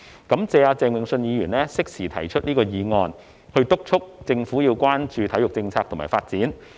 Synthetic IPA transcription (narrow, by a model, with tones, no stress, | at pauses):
kɐ˨˥mt͡sɛː˧aː˧t͡sɛː˨˧ŋwɪ˨˩ŋsɵ˧njiː˨˧jyː˨˩nlɛː˥sɪ˥k̚siː˨˩t̪ʰɐ̰˨˩jt͡ʃʰɵ˥t̚niː˥kɔː˧jiː˨˧ŋɔː˧n | hɵ˧ɥt̪ʊ˥k̚t͡sʰʊ˥k̚t͡sɪ˧ŋfuː˨˥jiː˧wkʷaː˥nt͡ʃyː˨˧t̪ʰɐ˨˥jʊ˨k̚t͡sɪ˧ŋt͡sʰaː˧k̚t̪ʰmaː˨˩faː˧t̚t͡siː˨˥n